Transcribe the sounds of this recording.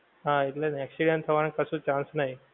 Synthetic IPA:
ɦãit̪lenɛksiɖənt̪ʰəʋankəsũːt͡ɕãnsnaɦi

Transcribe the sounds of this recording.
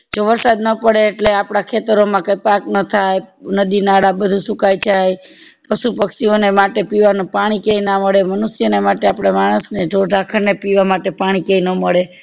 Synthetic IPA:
d͡ʒoʋəɾsad̪nəpəɽeːʈleapɽakʰet̪əɾomãkajpaknət̪ʰajnəd̪inaɽabəd̪ʱusukajd͡ʒaj | pəʃupəkʃionemaʈepiʋanũpaɽ̃ikeinaməɭemənusjənemaʈeapɽ̃emaɽ̃əsned͡ʒʱoɾɖʱakʰəɾnepiʋamaʈepaɽ̃ikeinəməɭe

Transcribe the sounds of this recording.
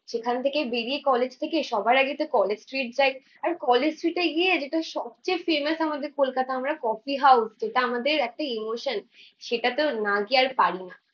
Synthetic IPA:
ʃekʰant̪ʰekebeɽiekɔled͡ʑt̪ʰekeʃɔbʱaɾaɡit̪okɔled͡ʑsʈɾiʈ̚d͡ʑaj | aɾkɔled͡ʑsʈɾiʈeɡied͡ʑeʈaʃɔb̚t͡ɕejfemasamad̪eɾkolkat̪aamɾakɔfiɦawsd͡ʑeʈaamad̪eɾɛk̚ʈaemoʃənʃeʈat̪onaɡiaɾpaɽina

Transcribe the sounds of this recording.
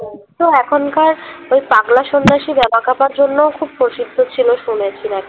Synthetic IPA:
ɔt̪oɛkʰonkaɾojpaɡlaʃonːaʃibɛbakapaɾd͡ʑonːookʰubpɾoʃid̪ʱːot͡ɕʰiloʃunet͡ɕʰinɛk

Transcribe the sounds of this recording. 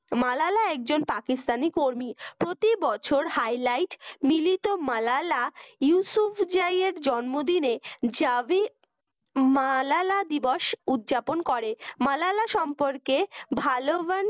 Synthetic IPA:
malalaɛk̚d͡ʑonpakist̪anikoɾmipɾot̪ibɔt͡ɕʰoɾhajlajʈmilit̪omalalajusufʰd͡ʑajeɾd͡ʑɔnmod̪ined͡ʑae | malalad̪iboʃud̪d͡ʑaponkɔɾemalalaʃɔmpoɾkebʱaloban

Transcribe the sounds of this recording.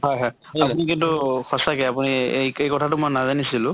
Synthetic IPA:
ɦɔjɦɔj | apunikintʊkʰɔsakɛapuniejkejkɔtʰatʊmɔjnazanisilʊ̃

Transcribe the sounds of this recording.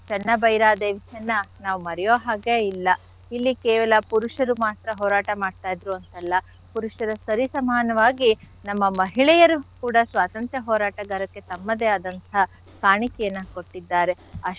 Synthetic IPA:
t͡ʃɛnːɐbɐjɾaːd̪eːʋisɐnːɐnaːʋumɐɾɛjoːɦaːɡeilːɐ | ilːikɛːʋɐlɐpuɾuʂɐɾumaːt̪ɾɐɦɔːɾaːʈɐmaːɖt̪aːjd̪ɾuɐnt̪ɐlːɐ | puɾuʂɐɾɐsɐɾisɐmaːnɐʋaːɡi | nɐmːɐmɐɦiɭɛjɐɾukuːɽɐsʋaːt̪ɐnt̪ɾɐɦɔːɾaːʈɐɡɐɾɐkːe̞t̪ɐmːɐd̪e̞ɐd̪ɐnt̪ʰɐ | kaːɳikɛjɐnːɐko̞ʈːid̪ːaːɾe̞ | ɐ

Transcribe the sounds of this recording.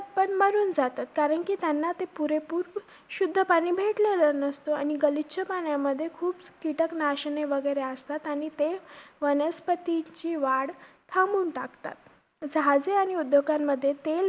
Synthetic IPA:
pəɳməɾuːnd͡zat̪at̪kaɾəɳkiːt̪janːat̪epuɾepuːɾ | ɕud̪ʱːəpaɽ̃iːbʱeʈlelənəst̪oa̰ñiɡəlit̪t͡ɕʰəpaɳjamːəd̪ʱːjekʰuːbkiʈəknaɕəɳeʋəɡəjɾeəst̪at̪aɽ̃it̪eʋənəspət̪it͡ɕiːʋaɽ | t̪ʰamuːnʈakt̪a̰t̪̚ | d͡zɦad͡zeaɽ̃iud̪ʱjoɡamːəd̪ʱːjet̪el

